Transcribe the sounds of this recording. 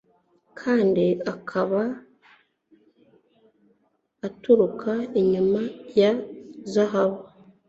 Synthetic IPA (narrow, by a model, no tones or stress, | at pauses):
kʰaːndiakʰaβa | tuɾukʰaiɲumajazaɦaβa